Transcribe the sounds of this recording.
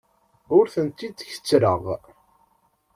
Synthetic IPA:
ʊɾθənt̪ːid̪çə̥t͡sːɾəʁ

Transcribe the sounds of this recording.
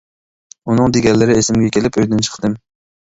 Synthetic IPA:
ʊnɨŋd̪eɡʲanlːɪɾɪesɪmɡʲakʲʰelɪpojd̪ɪnt͡ʃʰɨ̥qd̪ɪm

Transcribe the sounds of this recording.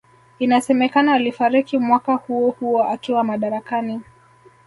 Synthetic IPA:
inasɛmɛkanaːlifaɾikimwakahuɔhuɔʔatɔamaɗaɾakani

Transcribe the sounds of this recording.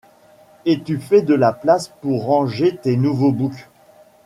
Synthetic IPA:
et̪yfɛd̪əlaplaspuʁːɑ̃ʒet̪enuvobuk

